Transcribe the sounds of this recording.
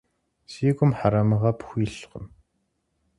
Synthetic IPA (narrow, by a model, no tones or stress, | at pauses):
siːɡʷʊmħaɾamɐʁaːpʰxʷiːɬʁə̰m